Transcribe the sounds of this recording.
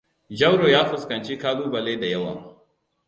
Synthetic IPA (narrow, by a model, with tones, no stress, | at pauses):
d͡ʒɐ˦wɽoː˨jaː˦ɸʊ˨skɐ˨nt͡ʃiː˦kaː˦duː˦ba˨leː˦da˨jɐ˦wa̰ː˨